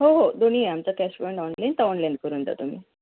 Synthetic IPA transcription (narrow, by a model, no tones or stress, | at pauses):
ɦoɦod̪on̤iːamt͡sakɛspɔjɳʈɔnlɛnɖt̪aɔnlɛ̃ɳɖ̚kəɾuːnt̪a̰t̪um̤iː